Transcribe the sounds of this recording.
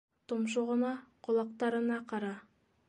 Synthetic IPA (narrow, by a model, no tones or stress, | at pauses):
t̪ʰomʃ̬oʁənɑqʰolˠɑq̚t̪ɑɾənɑqʰɑɾɑ